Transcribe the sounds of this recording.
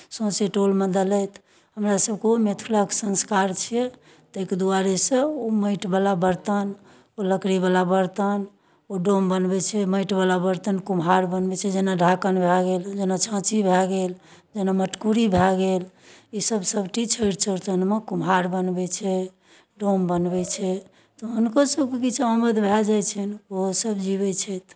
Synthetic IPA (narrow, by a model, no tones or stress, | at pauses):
sõseʈolmed̪əlɛt̪ʰ | ɦəmɾasəb̚keomet̪ʰuləksə̃nskaɾt͡ʃʰiɛ | t̪eked̪uaɾesə̃oməɪʈbalabəɾt̪ən | oləkɽibalabəɾt̪ən | oɖombənbɛt͡ʃʰɛməɪʈbalabəɾt̪ənkumɦaɾbənbɛt͡ʃʰɛd͡ʒenaɖʱakənbʱɛɡeld͡ʒenat͡ʃʰãt͡ʃibʱɛɡel | d͡ʒenaməʈkuɾibʱɛɡel | isəbsəbʈit͡ʃʰəɪɾt͡ʃʰəɾt̪ənmekumɦaɾbənbɛt͡ʃʰɛ | ɖombənbɛt͡ʃʰɛ | t̪ɔɦunkasəb̚kekit͡ʃʰeəməd̪ʱbʱɛd͡ʒajt͡ʃʰɛnoɦosəbd͡ʒiβɛt͡ʃʰɛt̪ʰ